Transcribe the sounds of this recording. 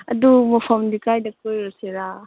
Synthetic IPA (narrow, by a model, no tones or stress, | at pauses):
ɐ̰dumɔpʰɐmdikajdɐkojɾɔseɾa